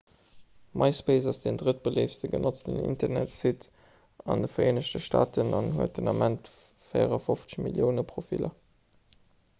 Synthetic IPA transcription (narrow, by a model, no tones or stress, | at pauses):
mʔɑɪspeɪsɑsd̥endʁət̚b̥əleɪfstəɡə̰nʔot͡stə̰nḭntɐʁnæ̰tsit | ɑndəfɐʁeːnəɕtəʃta̰ːtənɑnɦuət̚dənɑmʔænt | feɪəʁɐfoft͡sə̥ɕmḭljəʊnəpʁofilɐ